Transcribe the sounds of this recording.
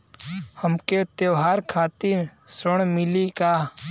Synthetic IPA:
həmket̪jeʋɦaːɾkʰaːt̪insəɳ̃mɪlikaː

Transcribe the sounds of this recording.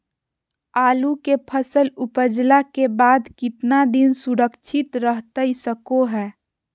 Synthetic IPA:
aːlukepʰəsəlʊpəd͡ʒlakebaːd̪kɪt̪nad̪ɪnsuɾəkʃʰɪt̪ɾəɦt̪əisəkoɦɛː

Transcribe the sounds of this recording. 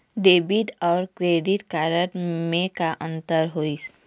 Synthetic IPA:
ɖeːbɪʈɔːɾkɾeːɖɪʈkaːɾəʈmẽkaʔə̃nt̪əɾɦoːis

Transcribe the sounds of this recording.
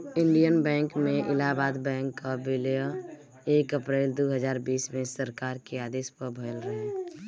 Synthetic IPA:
ɪ̃ɳɖijənbɛ̃ːŋkmẽʔɪlaːbaːd̪bɛ̃ːŋkːabɪljə | eːkəpɾeːld̪uːɦəzaːɾbiːsmẽsəɾkaːɾkeaːd̪eːspəɾbʱəjəlɾəɦe

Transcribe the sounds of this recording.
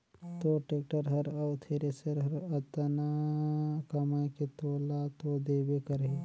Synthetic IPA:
t̪oʈeːk̚ʈəɾɦɐɾɐʊt̪ʰeɾesəɾɦɐɾɐt̪na | kɐmaːẽket̪oːlat̪od̪eːbekəɾɦe

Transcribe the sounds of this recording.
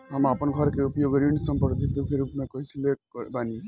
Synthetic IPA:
ɦəmapənɡʱəɾkeupjoɡɾinsəmpəɾd̪ʱikd̪ukʰeɾupmekəɦit͡ʃʰilebani

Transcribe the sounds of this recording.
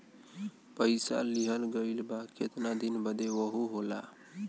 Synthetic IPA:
pəɪsa̰liɦəlɡəɪlbaket̪nad̪inbəd̪eʋəɦuɦola̰

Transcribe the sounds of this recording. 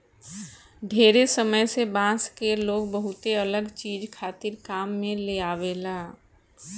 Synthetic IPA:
ɖʱeːɾesəməjsebãːskeloːɡbəɦʊt̪eələɡt͡ʃiːd͡ʒkʰaːt̪ɪɾkaːmːẽleaːweːlaː

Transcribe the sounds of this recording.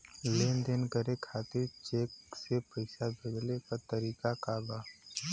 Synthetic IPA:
leːnd̪eːnkəɾekʰaːt̪ɪɾt͡ʃeːksepəɪsabʱɪɽlekəɾt̪əɾiːkakaːbaː

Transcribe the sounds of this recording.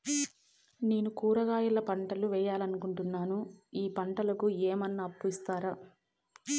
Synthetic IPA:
neːnukuːɾɐɡaːjɐlɐpɐɳʈɐluʋɛːjaːlɐnukuɳʈunːaːnuiːpɐɳʈɐlɐkuɛːmɐnːɐːpːuist̪aːɾaː

